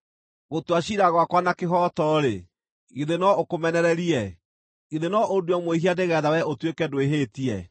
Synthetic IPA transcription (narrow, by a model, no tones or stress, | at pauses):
ɣotwaɕiɾaɣwakwanakeɦɔtɔɾe | iðenɔokomɛnɛɾɛɾiɛ | iðenɔʔoduɔmwehiadeɣɛðawɛʔotwekɛdoeɦetiɛ̰